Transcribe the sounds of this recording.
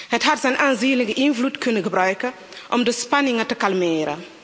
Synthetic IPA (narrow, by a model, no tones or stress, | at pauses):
hətɦɐtzɛjnʔaːnziːnləɡəʔinflutkynəxəbɾœɥkə | ʔɔmdəspanɪŋɐtəkalmeːɾə̰